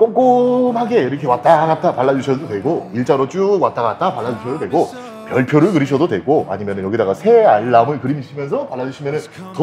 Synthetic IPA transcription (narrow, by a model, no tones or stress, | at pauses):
k͈omk͈omhaɡe̞iɾʌkʰe̞wat͈aɡat͈apaɭːad͡ʑuɕʰʌdodwe̞ɡoiɭt͡ɕ͈aɾot͡ɕ͈ukwat͈aɡat̚t͈apaɭːad͡ʑuɕʰʌdodwe̞ɡo | pjʌɭpʰjoɾɯɭkɯɾiɕʰʌdodwe̞ɡoa̰ɲimjʌnɯnjʌɡidaɡasʰe̞aɭːamɯɭkɯɾimiɕ͈imjʌnsʰʌpaɭːad͡ʑuɕʰimjʌnɯn | t